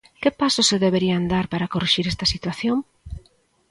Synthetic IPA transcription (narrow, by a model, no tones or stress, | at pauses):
kɪpasʊseðeβeɾiand̪aɾpaɾakoriʃiɾest̪ɐsit̪waθjoŋ